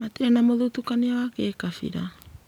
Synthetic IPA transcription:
mateanamoðutukaniawakeːkafḭɾa

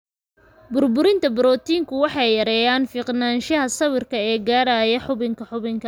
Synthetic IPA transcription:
bʊrbʊɾɪnt̪ʰɐbɪɾɔːt̪ʰiːŋkʰʊwɑħɑjjɐɾɛːjaːnfiːqnaːnʃɐɦɐsɐwɪrkʰɐɛːɡaːɽaːjɛħʊβɪŋkʰɐħʊβɪŋkʰɐ

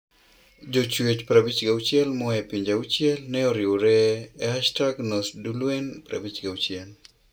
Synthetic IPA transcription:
d͡ʒot͡ʃwet͡ʃpɾabit͡ʃɡaut͡ʃɛlmɔɛpiɲd͡ʒaut͡ʃjɛlnɛɔɾɪoɾeːaʃtaɡnosdulwenpɾa̰bit͡ʃɡaut͡ʃjɛl

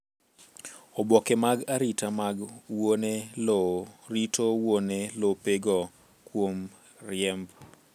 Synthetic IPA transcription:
ɔbɔkemaɡaɾitamaɡwoneloɾitowonelopeɡɔ | kwom | rɪɛmb

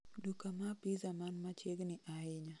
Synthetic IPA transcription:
dukamapɪzamanmat͡ʃjeɡnɪʔaɪɲa

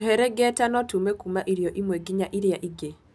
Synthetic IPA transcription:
hɛɾɛɡɛtanɔtumekumaʔiɾjɔʔimweɡɪɲaʔiɾjaʔiɡe

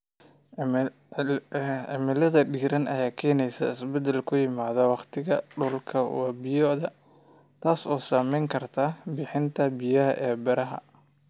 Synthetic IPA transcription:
ʕɪmɪlɐðɐɖiːɾɐnʔɐjaːkʰɛːnɛjsɐ̰ɪsbɛd̪ɛlkʰʊjɪmaːðɐwɑqt̪ʰɪɣɐɖʊlkʰɐwɑ̰ːbɪjɔːðɐ | t̪ʰaːsɔːsaːmɛjŋkʰɐrt̪ʰaːbɪħɪnt̪ʰɐbɪjɐɦɐ̰ʔɛːbɐɾɐɦɐ̰

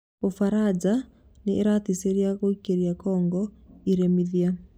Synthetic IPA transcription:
ofaɾad͡ʑa | neːɾatiseɾeaɣoikeɾiakɔːŋɡɔiɾemiðia

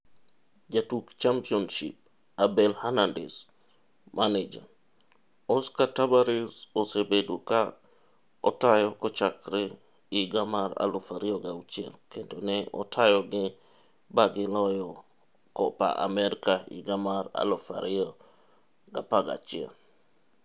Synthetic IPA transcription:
d͡ʒatukt͡ʃampiɔnʃip̚ | abɛlhanandḛs | maned͡ʒa | ɔskatabaɾisosebeduka | ɔtajokot͡ʃakɾe | iɡamaɾa̰lofaɾioɡawt͡ʃiɛ̰lkentonɛʔɔ̰tʰajoɡɪ | baɡilɔjɔ | kɔpa̰ʔa̰meɾkaḭɡamaɾa̰lofa̰ɾʔio | ɡapaɡa̰t͡ʃiḛl

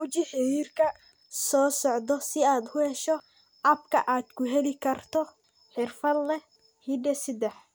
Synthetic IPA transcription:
kʊt͡ʃɪħɪɾiːrkʰɐ | sɔːsɔʕd̪ɔsɪaːd̪kʰʊhɛʃɔ | ɐb̚kʰɐʔaːd̪kʰʊɦɛlɪkʰɐrt̪ʰɔ | ħɪrfɐdlɛ | hiɖɛsɪd̪ɛħ

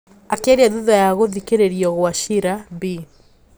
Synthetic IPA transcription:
akeɛɾiaðuðɔjaɣoðikeɾeɾiɔɣoaʃiɾambi

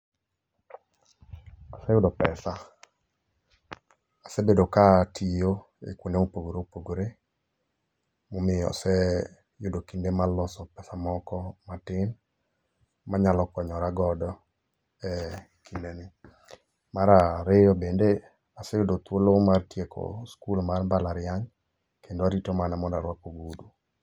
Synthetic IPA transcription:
asɛjʊdopɛsa | asebedokatʰijo | ḛkwonemopoɡoɾopoɡoɾe | mʊmɪɔ̰sɛ | jʊdokindemalɔsɔpɛsamɔkɔmatɪn | maɲalɔkɔɲɔɾaɡɔdɔ | ɛ | kindenɪ | maɾaɾɪjɔbende | asɛjʊdot̪wolomartjekʰo̰skulmarmbalaɾɪaɲ | kʰendoaɾitomanamɔndaɾwapoɡudu

